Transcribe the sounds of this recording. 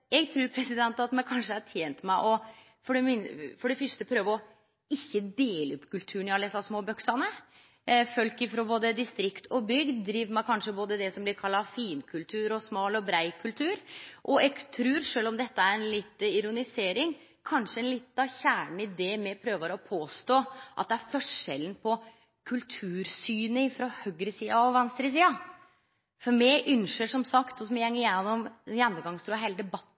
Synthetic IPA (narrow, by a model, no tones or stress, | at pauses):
jɛɡt̪ʰɾʉːɾpʰɾɛsɪd̪ɛnt̪ɑt̪mɛkʰɑnʂəæʈʰjeːnt̪mæɪʔɔ | fɔɖɛmɪnfɔɖɛfʏʂt̪əpʰɾøːʋəɔ | ɪçːəd̪eːləʉpkʰʉlt̪ʰʉːɳɪɑlːɛsɑsmoːbœksɑnə | fœlkɪfɾoːboːd̪əd̪ɪst̪ɾɪkt̪ʰɔbʏɡd̪d̪ɾiːʋmæɪkʰɑnʂəboːd̪əd̪ɛsɔmblɪɾkʰɑlːɑfiːnkʰʉlt̪ʰʉːɾɔsmɑːlɔbɾæɪkʰʉlt̪ʰʉːɾʔɔɛɡt̪ʰɾʉːɾʂøːlɔmd̪ɛt̪ːəæɾɛnlɪt̪ːɪɾʊnɪseːɾɪŋ | kʰɑnʂəɛnlɪt̪ːɑʋçæːɳɳ̩ɪd̪ɛmɛpʰɾøːʋəɾɔpʰoːst̪oːʔɑt̪̚d̪ɛæɾfɔʂɛlən̩pʰɔ | kʰʉlt̪ʰʉːɾsyːnəɪfɾɔhœɡɾəsiːɑɔʋɛnst̪ɾəs̬iːɑ | fɔɾmɛʔʉnʂəʂɔmsɑkt̪ɔsɔmɛhɛŋːəjɛnːɔmjɛnːɔmɡɑŋst̪ɾuːɑhæɪləd̪ɛbɑt̪ː